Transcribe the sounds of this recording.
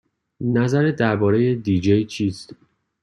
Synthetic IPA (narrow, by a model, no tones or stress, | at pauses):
næzæɾed̪æɾbɒːɾe̞je̞d̪iːd͡ʒejt͡ʃʰiːst̪